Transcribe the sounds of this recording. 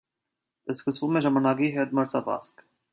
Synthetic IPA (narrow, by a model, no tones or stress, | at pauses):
əskəsvumɛʒɑmɑnɑkiɦɛt̪məɾt͡sʰɑvɑ̰sk